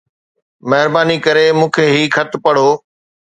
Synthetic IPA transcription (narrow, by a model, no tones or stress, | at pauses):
mɐɦɪɾbaːnikɐɾemũːkʰeːɦiːxʰɐt̪ʰpɐɽ̤oː